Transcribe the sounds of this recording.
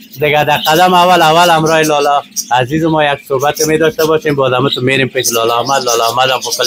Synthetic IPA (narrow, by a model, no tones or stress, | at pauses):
d̪əɡad̪aqad̪amawalawalamɾɔelɔlɔazizɪmɔjaksobat̪̚kemed̪ɔʃt̪abɔʃembɔzamut̪ʊmeɾemped͡ʒlɔlɔhmad̪lɔlɔhmad̪ampopəl